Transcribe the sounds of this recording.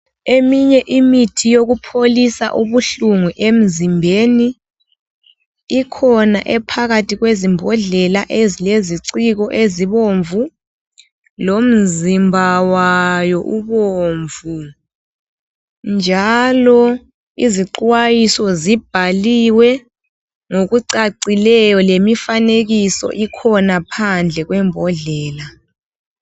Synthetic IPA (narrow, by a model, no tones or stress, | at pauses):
emiɲɛʔimitʰijoɣupʰolisa̰ʔuβuɬuŋuʔem̩zimbʱeːni | kʰɔnaʔɛpʰaɣatʰiɣwezimbʱɔɮɛlaʔezileziǀiɣɔʔeziβoɱvu | lom̩zimbʱawajɔʔuɓoːɱvu | nd͡ʒʱalɔ | iziǃwajisɔzib̥ʱaliwɛ | ŋokuǀaǀilɛjɔlemifaneɣ̬isɔ̰ʔikʰɔnapʰand͡ɮʱɛɣwɛmbʱɔɮɛːla